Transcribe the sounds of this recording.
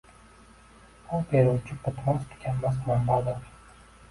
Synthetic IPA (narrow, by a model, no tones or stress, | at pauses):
ʊlˠpʰeɾʊwt͡ʃʰɪpʊt̪ʰmast̪ʰɪ̥kʲanmas̬mambad̪ɪɾ